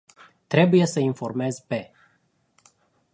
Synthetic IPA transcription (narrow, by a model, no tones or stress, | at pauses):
t̪ɾe̞buje̞səinfo̞rme̞zpe̞